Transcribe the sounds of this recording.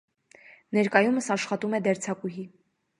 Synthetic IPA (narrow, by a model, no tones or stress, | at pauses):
nɛɾkɑjuməsɑʃχɑt̪umɛd̪ɛɾt͡sʰɑkuɦi